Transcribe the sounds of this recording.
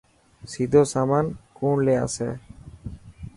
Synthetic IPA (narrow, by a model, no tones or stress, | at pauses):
sid̪ʱosamankunlea̰sɛ̰